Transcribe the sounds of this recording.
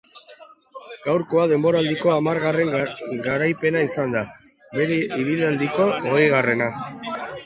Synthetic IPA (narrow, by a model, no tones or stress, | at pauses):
ɡ̥awɾko̞aðe̞mbo̞ɾald̪iko̞amaɾɣare̞ŋɡaɾajpe̞naisand̪a | βe̞ɾeʔiβilald̪iko̞oɣejɣ̞are̞na